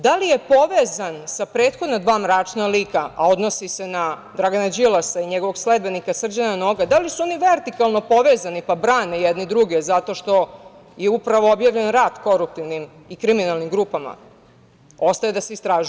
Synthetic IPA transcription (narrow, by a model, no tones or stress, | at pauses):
d̪alije̞po̞ʋezansapɾe̞ːt̪xod̪nad̪ʋaːmɾaːt͡ʃnaliːkaʔao̞d̪no̞sisenad̪ɾaɡanad͡ʑilˠasaiɲeɡoʋo̞ɡsle̞d̪be̞nikasr̩d͡ʑanano̞ːɡad̪alisuo̞niʋe̞ɾt̪ikalˠno̞po̞ʋeːzanipabɾaːnejɛd̪nid̪ɾuɡezat̪o̞ʃt̪o̞ | jeupɾaʋoobjaːʋʎe̞nɾaːd̪ko̞ɾup̚t̪iʋnim | ikɾiminalˠnimɡɾupama̰ | o̞st̪ajed̪aseist̪ɾaːʒu